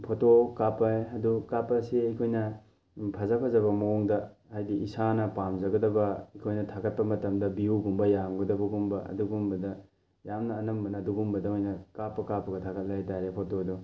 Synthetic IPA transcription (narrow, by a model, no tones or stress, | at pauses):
pʰotokapːɐjɐdukapːɐseɐjkʰojnɐ | pʰɐzɐpʰɐzɐβɐmɐoŋdɐhajdiisanɐpamzɐɡɐdɐbɐɐjkʰojnɐtʰaɡɐt̚pɐmɐtɐmdɐbiuɡumbɐjaŋɡɐdɐbɐɡumbɐʔɐ̰duɡumbɐdɐ | jamnɐːnɐmbɐnɐːduɡumbɐdɐojnɐkapːɐkapːɐɡɐtʰaɡɐt̚lɐjtaɾepʰotodo